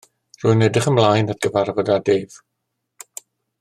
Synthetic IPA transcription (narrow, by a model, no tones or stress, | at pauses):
rujnɛdəχəmlˠajnat̚ɡ̥əvarvɔdadeːv